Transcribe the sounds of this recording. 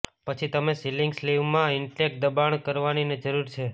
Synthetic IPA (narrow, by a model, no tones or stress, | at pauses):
pət͡ʃʰit̪əmesiliŋɡsliʋmãɪɳʈek̚d̪əbaɳkəɾʋanined͡ʒəɾuɾt͡ʃʰe